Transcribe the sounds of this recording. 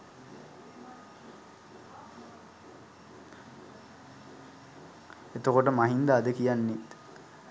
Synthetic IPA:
et̪okoʈəmaɦind̪aːd̪əkijanːit̪

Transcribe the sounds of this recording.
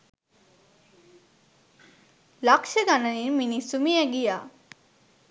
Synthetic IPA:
lakʃəɡananiɾminisumijaɡija

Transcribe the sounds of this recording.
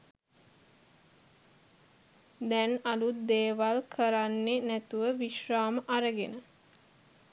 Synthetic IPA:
d̪ɛnalut̪̚d̪eːʋalkʰəɾanːenæt̪uʋəʋiʃraːməʔaɾəɡenə

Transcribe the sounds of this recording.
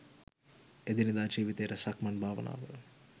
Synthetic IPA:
ed̪inid̪aːd͡ʒiːʋit̪eːɾɐsɐkmɐɳbʱaːʋɐ̰na̰ːʋɐ

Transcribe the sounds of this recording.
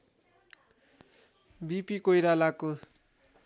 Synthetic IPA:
bipikojɾalako

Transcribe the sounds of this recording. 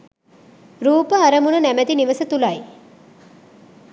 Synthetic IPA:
ɾuːpəaɾəmunənæmæt̪iniʋəsət̪ulaj

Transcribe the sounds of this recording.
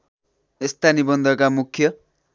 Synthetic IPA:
ist̪anibʌnd̪ʱʌkamukʰːjʌ

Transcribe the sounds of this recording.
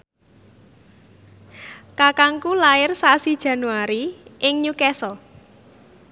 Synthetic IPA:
kakaŋkulaɪrsasid̥ʒ̥ä̤nuaɾiʔɪŋɲukɛsɔ

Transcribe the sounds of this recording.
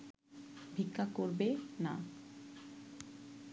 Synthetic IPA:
bʱikʰːakoɾbena̰

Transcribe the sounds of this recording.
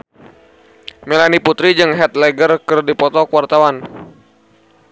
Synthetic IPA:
melaniput̪ɾid͡ʒɨŋɦɛt̪̚lɛɡərkɨrdipɔt̪ɔkuwart̪awan

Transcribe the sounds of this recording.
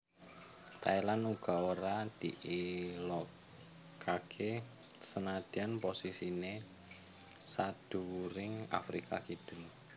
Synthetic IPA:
t̪ailanuɡ̥a̤oɾad̪̥ḭʔilɔ | kʰakʰe | sənad̪̥ianposisine | sad̪̥uɾɪŋa̰fɾikʰa̰kid̪̥ʊ̤n

